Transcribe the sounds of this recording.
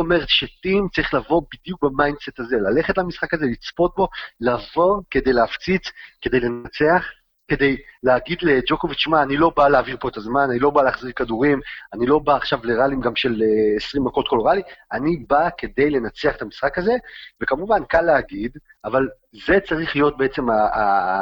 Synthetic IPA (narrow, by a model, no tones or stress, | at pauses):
ome̞ʁet̪ʃetimt͡saʁiχlavo̞bid̪juk̚bemajndse̞t̪azelale̞χe̞tlamisχakazelit͡spo̞t̪̚bo̞lavo̞ke̞d̪e̞jleaft͡sit͡skede̞jle̞nat͡seaχ | ke̞d̪e̞jleaɡidled͡ʒo̞ko̞vit͡ʃmaːnilobaleaːviʁpo̞et̪azmananilo̞baleaχziʁkaduʁimanilo̞baːχʃavleʁalimɡamʃe̞lesʁimdako̞tko̞loʁalianibake̞de̞jle̞nat͡seaχet̪amisχakaze̞ve̞kamuvankalːeaɡid | aval | ze̞t͡saʁiχlijo̞t̚be̞et͡se̞ma